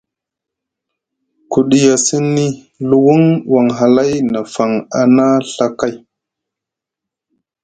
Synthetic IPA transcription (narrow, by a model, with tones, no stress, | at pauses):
ku˨ɗi˨ja˨si˦nːi˦ | lu˨wu˦ŋwa˨ŋɦa˨la˦jna˨fa˨ŋa˨na˦ɬa˦ka˦j